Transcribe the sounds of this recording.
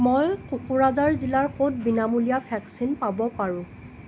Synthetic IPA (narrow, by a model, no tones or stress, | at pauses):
mojkukuɹazaɹzilaɹkot̚binamulijapʰɛksinpabɔpaɹʊ̃